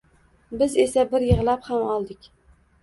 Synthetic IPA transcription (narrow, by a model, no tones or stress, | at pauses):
bɪze̞sabɪɾjɨʁlˠaphamɒlˠd̪ɪkʲ